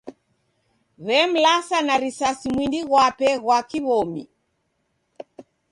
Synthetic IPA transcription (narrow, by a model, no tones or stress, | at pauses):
βɛm̩lasanaɾisasimwindiɣwapɛɣwakiβɔmḭ